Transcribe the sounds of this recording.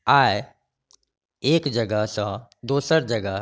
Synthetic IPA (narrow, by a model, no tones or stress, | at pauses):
aːe | eːkd͡ʒəɡəɦsãd̪oːsəɾd͡ʒəɡə